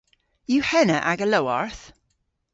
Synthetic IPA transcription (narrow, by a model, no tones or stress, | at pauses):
juhɛnəʔaɡəlowaɹθ